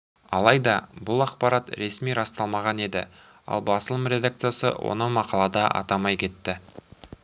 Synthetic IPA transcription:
ɑ̰lˠɑjd̪ɑbʊlˠɑqpɑɾɑt̪ɾe̞smijɾɑst̪ɑlˠmɑʁɑne̞d̪ɪ̰ | ɑ̰lˠbɑsəlˠəmɾʲe̞d̪ak̚t̪sɨjasə̰wo̰nəmɑqɑlˠɑd̪ɑʔɑ̰t̪ɑmɑjkʲʰe̞t̪ːɪ

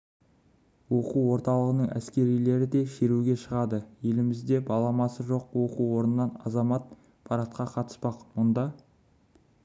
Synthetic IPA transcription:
wo̞quwwo̞ɾt̪ɑlˠəʁənəɴʔæ̰skʲe̞ɾijle̞ɾɪd̪e̞ʃe̞ɾuɡʲe̞ʃəʁɑd̪əje̞lɪmɪzd̪e̞bɑlˠɑmɑsəʒo̞qwo̞quwo̞ɾənənɑnɑ̰zɑmɑt̪̚ | pʰɑɾɑt̪̚qɑqʰɑt̪ə̥spɑqwond̪ɑ

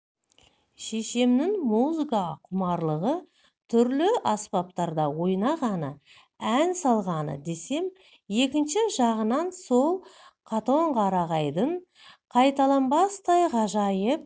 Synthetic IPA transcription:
ʃe̞ʃe̞mnɪŋmuzɨkɑqʰʊmɑɾlˠəʁə | t̪ʰʏɾlɪʔɑspɑp̚t̪ɑɾd̪ɑwo̞jnɑʁɑnə | ænsɑlˠʁɑnə̰d̪e̞se̞m | je̞kʲɪnʃɪʒɑʁənɑnso̞lˠqʰɑt̪o̞ɴqʰɑɾɑʁɑjd̪əɴ | qʰɑjt̪ɑlˠɑmbɑst̪ɑjʁɑʒɑjəp̚

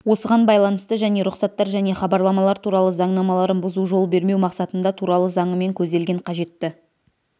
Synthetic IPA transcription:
wo̞səʁɑnbɑjlˠɑnəst̪əʒæne̞ɾʊqsɑt̪ːɑɾʒæne̞χɑbɑɾlˠɑmɑlˠɑɾt̪ʰuɾɑlˠəzɑɴnɑmɑlˠɑɾənbʊzuʒo̞lˠbe̞ɾme̞wmɑqsɑt̪ənd̪ɑt̪ʰuɾɑlˠəzɑɴəme̞ŋkʲʰɵzd̪e̞lɡʲe̞ɴqʰɑʒe̞t̪ːɪ

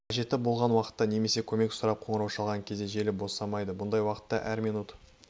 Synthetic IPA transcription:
qʰɑʒe̞t̪ːɪbo̞lˠʁɑnwɑqə̥t̪ːɑne̞me̞se̞kʲʰɵme̞ksʊɾɑp̚qʰo̞ɴəɾɑwʃɑlˠʁɑŋkʲʰezeʒe̞lɪbo̞sɑmɑjd̪əbʊnd̪ɑjwɑqə̥t̪ːɑʔæɾminut̪

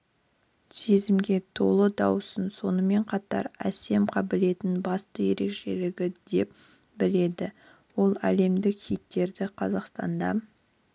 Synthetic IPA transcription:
se̞zɪmɡʲe̞t̪ʰo̞lˠəd̪ɑwsənso̞nəme̞ɴqʰɑt̪ɑ̰ɾæ̰se̞mqʰɑbɪle̞t̪ɪnbɑst̪əje̞ɾe̞kʃe̞̰lɪɡʲɪd̪e̞p̚ | bɪle̞d̪ɪ | wo̞lˠæ̰le̞md̪ɪkkʰijt̪̚ːe̞ɾd̪ɪqʰɑzɑqst̪ɑ̰nd̪ɑ

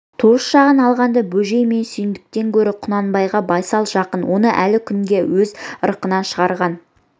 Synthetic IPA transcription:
t̪ʰusʃɑʁənɑlˠʁɑnd̪ɑbɵʒe̞jme̞nsʏjɪnd̪ɪk̚t̪e̞ŋkʲʰɵɾɪqʰʊnɑnbɑjʁɑbɑjsɑlˠʒɑqənwo̞nəʔælɪkʲʰʏŋɡʲe̞wɵzəɾəqənɑnʃəʁɑɾʁɑn

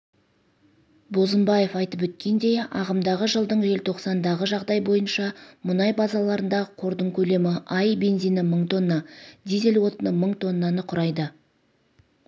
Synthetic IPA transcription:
bo̞zəmbɑje̞fɑjt̪əp̬wɵt̪̚kʲe̞nd̪e̞jɑ̰ʁəmd̪ɑʁəʒəlˠd̪əɴʒe̞lt̪ʰo̞qsɑnd̪ɑʁəʒɑʁd̪ɑjbo̞jənʃɑmʊnɑjbɑzɑlˠɑɾənd̪ɑʁəqʰo̞ɾd̪əɴkʲʰɵle̞mɪʔɑjbe̞nzijnɪməɴt̪ʰo̞nːɑd̪ize̞lwo̞t̪ənəməɴt̪ʰo̞nːɑnəqʰʊɾɑjd̪ə

